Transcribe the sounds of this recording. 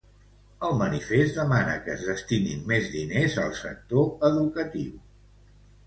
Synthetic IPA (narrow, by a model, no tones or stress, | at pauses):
əlˠmənifezt̪d̪əmanə̰kəːzðəst̪inḭmmezðinezəlˠsə̰k̚t̪oəðukət̪iw